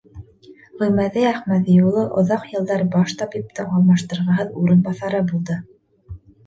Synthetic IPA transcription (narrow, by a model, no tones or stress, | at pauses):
ʁɵ̆mæðɘæχmæðijulˠɤʔŏðɑqjɤ̆lˠd̪ɑɾbɑʃt̪ɑpjipt̪ɤʔɑlˠmɑʃt̪ɤ̆ɾʁɑɦɤðuɾɤ̆nbɑθɑɾɤbulˠd̪ɤ